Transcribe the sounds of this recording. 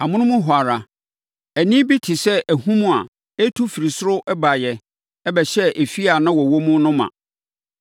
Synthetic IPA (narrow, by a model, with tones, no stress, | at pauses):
a˨mʊ̃˦nʊ̃˦mʊ̃˦ɦʊ˨a˨ɾa˨ | æ˨nĩ˦bi˦tʰi˨sɛ˦ʔæ˨hũ˦mũ˦a̰˨ | e˦tʰu˦fi˨ɾi˨sʊ˦ɾʊ˦ʔɛ˦ba˨jɛ˨ | ɛ˦bɛ˨ɕɛ˦ʔe˨fi˦a˨nã˦wɔ˨wɔ˦mʊ̃˦nʊ̃˦mã̰˨